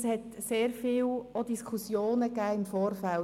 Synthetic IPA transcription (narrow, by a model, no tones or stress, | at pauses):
shɛtseːɾfiːwodiskʰusjoːnəkæːɪmfoːɾfæl